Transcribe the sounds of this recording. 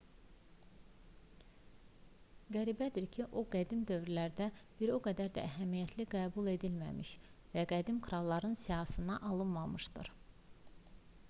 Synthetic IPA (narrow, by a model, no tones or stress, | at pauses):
ɡæɾibæd̪iɾcʰiʔoɡæd̪imd̪ø̞vɾilæɾd̪æb̥iɾoɡæd̪æɾd̪æ̰ʔæɦæmijæt̪ʰliɡæːbulˠe̞d̪ilmæ̰mḭʃvæɡæd̪imkʰɾɑlˠːɑɾɯnsijɑhsɯnɑʔɑlˠɯnmɑmɯʃd̪ɯ̰ɾ